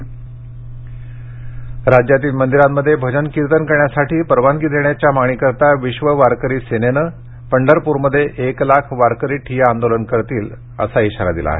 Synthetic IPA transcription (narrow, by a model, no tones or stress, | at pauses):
ɾad͡ʑjat̪̬iːlmənd̪iɾamməd̪ʱːjebʱəd͡ʑənkiɾt̪ənkəɾɳjasaʈiːpəɾʋanɡid̪ʱeɳjat͡ɕjamaɳiːkəɾt̪aʋiɕʋəʋaɾkəɾiːsenenə | pəɳɖəɾpuɾməd̪ʱːjeʔeklakʰʋaɾkəɾiːʈʰijaand̪olənkəɾt̪iːl | ə̰saiɕaɾa̰d̪ila̰ːɦḛ